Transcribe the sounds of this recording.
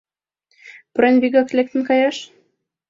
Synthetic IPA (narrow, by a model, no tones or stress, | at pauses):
pɾenβʲiɡɑklek̚t̪ə̆nkɑjɑʃ